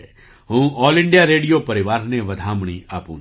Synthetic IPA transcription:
ɦũːɔːlɪ̃ɳɖijaɾeːɽijopɐɾɪʋaːɾneʋɐd̪ʱaːmɳ̃iaːpṵ̃ː

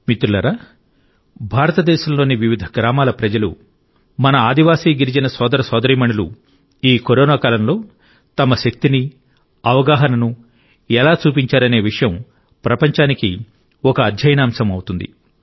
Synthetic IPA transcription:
mit̪ɾulɐɾa | bʱaːɾɐt̪ɐd̪ɛːʃɐmlo̞ːniʋiʋid̪ʱɐ̥ɡɾaːmaːlɐpɾɐd͡ʒɐlṵ | mɐnɐaːd̪iʋaːsiːɡiɾid͡ʒinɐsɔːd̪ɐɾɐsɔːd̪ɐɾiːmɐɳulṵ | iːkoɾoːnaːkaːlɐmlo̞ː | t̪ɐmɐʃɐk̚t̪ini | ɐʋɐɡaːɦɐnɐnu | ɛlaːt͡ʃuːpiɲt͡ʃaːɾɐne̞ːʋiʂɐjɐm | pɾɐpɐɲt͡ʃaːniki | ɔkɐːd̪ʱjɐjɐnaːmsɐmɐwut̪und̪ḭ

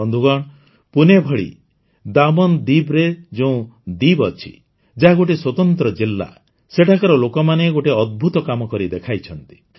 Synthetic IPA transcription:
ɔnd̪ʱuɡɔɽ̃ | punebʱɔɭḭ | d̪amɔnd̪ibɾed͡ʒeũd̪ibɔt͡ʃʰḭ | d͡ʒaɦaɡoʈiswɔt̪ɔnt̪ɾɔd͡ʒilːa̰ | seʈʰakɔɾɔlokɔmaneɡoʈiɔd̪̚bʱut̪ɔkamɔkɔɾid̪ekʰajt͡ʃʰɔnt̪i̥

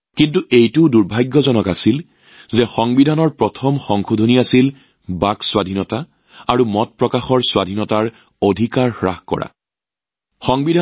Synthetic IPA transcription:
kintuʔejtuʊduɹbʱajɡːɔzɔnɔkasil | zɛxɔŋbidʱanɔɹpɹɔtʰɔmxɔŋkʰudʱoniasil | bakswadʱinɔta | aɹumɔt̚pɹɔkaxɔɹswadʱinɔtaɹ | odʱikaɹxɹaxkɔ̰ɹʔa̰ | xɔŋbidʱa

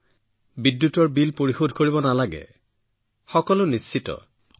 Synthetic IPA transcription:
bidjutɔɹbilpoɹixodʱkoɹibɔnalaɡɛ̰ | xɔkɔlʊnisitɔ̰

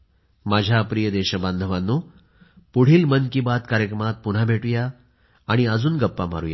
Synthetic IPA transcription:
mad͡ʑʱjapɾijəd̪eɕəband̪ʱəʋanːo | puɽ̤iːlmənkibat̪kaɾjəkɾəmat̪̚puɽ̤abʱeʈujaː | ɽ̃iəd͡zuːnɡəpːama̰ɾṵja̰

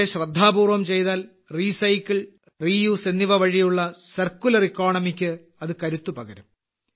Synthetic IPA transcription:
eɕrɐd̪ʱːaːbuːrʋɐmt͡ɕe̞jt̪aːl | riːsɐjkːiɭ | riːjuːsenːiʋɐʋɐɻijuɭːɐsɐrkːulɐrikːoːɳɐmikʲːɨ | ɐðɨkɐɾut̪ːupɐɡɐɾum

